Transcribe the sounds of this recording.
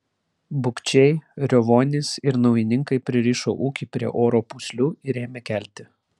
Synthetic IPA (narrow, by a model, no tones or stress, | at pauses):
bʊkʲt͡ʃʲɛɪɾʲoʋoːnʲɪsɪɾnɔʊjɪnʲɪŋkɐɪpʲɾʲɪɾʲiːʃo̰ːʔuːkʲiˑpʲɾʲiɛʔoːɾoːpusʲlʲuːɪɾʲeːmʲɛkʲæˑlʲt̪ʲɪ